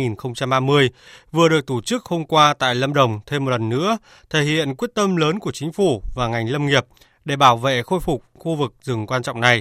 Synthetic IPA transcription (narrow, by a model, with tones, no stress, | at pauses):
ŋi˨˩nxə˧wŋ͡mt͡ɕa˧mʔaː˧mɨ˧əjvɨ˨˩əɗɨ˨˩ək̚t̪o˧˩t͡ɕɨ˦˥k̚ho˧wŋ͡mkwaː˧t̪a̰ː˧˨jlə˧mɗə˨˩wŋ͡mt̪ʰe˧mː˨˩t̚lə˨˩nːɨ̰˧˥ə | t̪ʰe˧˩hḭ˧˨ənk̬wi˦˥ət̚t̪ə˧mləː˨˦nku˧˩ət͡ɕï˨˦ŋ̟fu˧˩vaː˨˩ŋa˨˩jŋ̟lə˧mŋi˨˩əp̚ | ɗe˧˩ɓaː˧˩wvḛ˧˨xo˧jfu˨˩k͡p̚xu˧vɨ˨˩k̚zɨ˨˩ŋkwaː˧nt͡ɕɔ̰˧˨wŋ͡mna˨˩j